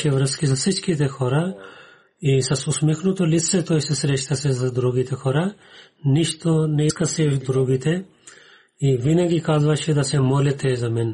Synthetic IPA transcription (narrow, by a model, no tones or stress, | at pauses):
ɛvɾəskizasit͡ʃkit̪ɛxɔɾa | isasusmɛxnut̪ɔlit̪sɛt̪ɔisɛsɾɛʃt̪asɛzad̪ɾuɡit̪ɛxɔɾaniʃt̪onɛiskasɛd̪ɾuɡit̪ɛ | ivinaɡikazvaʃɛd̪asɛmɔlɛt̪ɛzamɛn